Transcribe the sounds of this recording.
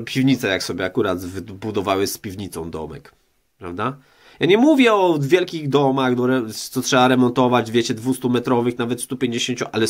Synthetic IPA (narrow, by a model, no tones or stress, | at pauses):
pʲivɲit̪sɛjaksɔbʲjɛakuɾad̪vbud̪ɔvawɘspʲivɲit̪sɔ̰̃w̃d̪ɔ̰mɛ̰k | pɾavd̪a | jaɲɛmuvʲjɛɔvʲjɛlkʲiɣd̪ɔmaɣd̪ɔɾɛt̪sɔtʂɛaɾɛmɔnt̪ɔvad͡ʑvʲjɛt͡ɕɛd̪vust̪umɛt̪ɾɔvɘxnavɛt̪st̪upʲjeɲd͡ʑeɕeɲt͡ɕuʔalɛ